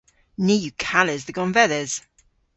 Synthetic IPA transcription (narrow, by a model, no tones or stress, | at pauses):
niːjukʰalɪzðəɡɔ̃nvɛðəz̥